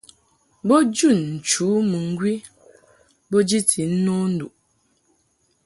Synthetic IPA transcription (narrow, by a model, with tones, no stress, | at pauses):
bɔ˦d͡ʒu˦˨nn̩˨t͡ʃu˨˦mɨ˨ŋ̩˦ɡwi˦ | bo˦d͡ʒi˦tʰi˨n̩˦no˦n̩˦du˨ʔ